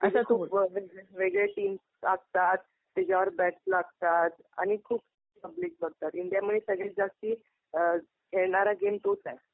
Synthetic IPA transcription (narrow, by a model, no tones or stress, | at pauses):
əsakʰuːpʋeʋeɡɭeʈiːms | aɡ̚t̪at̪̚ː | id͡ʑaʋəɾbɛʈslaɡt̪at̪a̰ñikʰuːb | pəbliːk̚bəɡ̚t̪at̪iɳɖijaməesəɡɭed͡zast̪iː | kʰeɭɳaɾaɡemt̪ot̪ɛ̃